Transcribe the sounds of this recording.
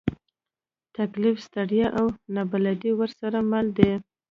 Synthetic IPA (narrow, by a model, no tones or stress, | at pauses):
t̪aklɪfst̪aɽjaʔawnabalad̪iwəɾsaɾamald̪e